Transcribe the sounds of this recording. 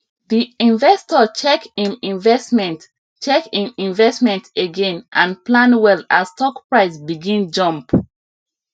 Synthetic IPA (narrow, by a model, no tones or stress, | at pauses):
ðiĩnvɛstɔt͡ʃɛkĩnĩnvɛsmɛ̃nt | t͡ʃɛkĩnĩnvɛsmɛ̃ntʰeɡẽnʔãnplãnwɛlastɔkpɹaɪsbiɡĩnd͡ʒɔ̃mp